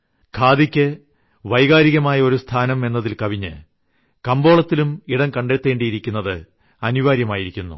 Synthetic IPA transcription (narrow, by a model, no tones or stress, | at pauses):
kʰaːd̪ikʲːɨ | ʋɐjɣaːɾiɣɐmaːjɐo̞ɾust̪ʰaːnɐme̞nːɐðilkɐʋiɲːɨ̰ | kɐmbo̞ːɭɐt̪ːilumiɽɐŋkɐɳɖet̪ːe̞ːɳɖijiɾikʲːunːɐðɨ | ɐniʋaːɾjɐmaːjiɾikʲːunːṵ